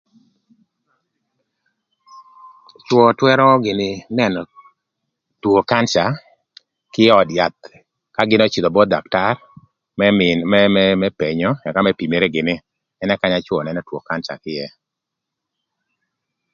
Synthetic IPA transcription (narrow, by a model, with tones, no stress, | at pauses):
t͡ʃwɔ˨twɛ˦ɾɔ˦ɡɪ˨nɪ˨nɛ˦nɔ˨ | two˨ka˦nt͡ʃa˨ | kɪ˦jɛ˦ɔ˨dja˨t̪̚ | ka˦ɡɪ˦nɔ˦t͡ʃi˨d̪ɔ˨bɔ˦da˨kta˦r | mɛmɛmɛmɛ˦pe˨ɲɔ˦ja˨ka˦mɛ˦pi˨me˨ɾe˦ɡɪ˨nɪ˦ | ɛ˦nɛ˦ka˦ɲa˦t͡ʃwɔ˨nɛ˨nɔ˦two˨ka˦nt͡ʃa̰˨kɪ˦jɛ˦